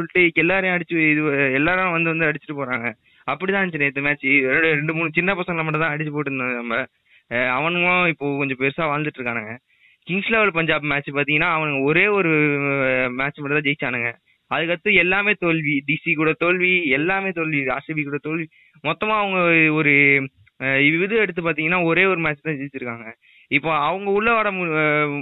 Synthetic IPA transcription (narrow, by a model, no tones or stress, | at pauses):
sɔɭʈːɯkːɛlːaːɾɐj̃ɐɽɪt͡ʃːɯɪðɯɛlːaːɾj̃ʋɐnd̪ɯʋɐnd̪ɯɐɽɪt͡ʃːɪʈːɯpoːɾãːŋɡɐ | ɐpːɐɽit̪ãːnt͡ʃɪnːet̪ːɯmaːt͡ʃːɾɖɯɾɛɳɖɯmuːɳɯt͡ʃɪnːɐpɐsɐ̃ŋɡɐlɐmɐʈːɐt̪ãːɐɽɪt͡ʃːɯpoːʈːɯɾnd̪ɐnɐmbɐ | ɐʋɐnɡõɪpːoːkɔɲd͡ʒɔ̃pɛɾɯsaːʋaːnd̪ɯʈːɾɯkːaːnaŋɡɐ | kɪŋɡsleːʋɐɭpɐɲd͡ʒaːp̬maːt͡ʃːpaːɾt̪iŋɡɐnːaːɐʋɐnɐŋɡɐɔɾeːɔɾɯ | maːt͡ʃːmɐʈɐt̪ãːd͡ʒɛjɪt͡ʃːaːnɯŋɡɐ | ɐðɯkːɐt̪ːɯɛlːaːmeːt̪ɔɭʋiɖisikuːɽɐt̪oɭʋiɛlːaːmeːt̪ɔɭʋiaːsibikuːɽɐt̪oɭʋi | mɔt̪ːɐmaːɐʋɐŋɡɐɔɾɯ | ɪʋɪʋɯðɯɛɽɯt̪ːɯp̬aːɾt̪iːŋɡɐnːaːɔɾeːɔɾɯmaːt͡ʃːt̪ãːd͡ʒɛjt͡ʃːɪɾɯkːaːŋɡɐ | ɪpːoːɐʋɐŋɡɐʊɭːɐʋaːɽɐm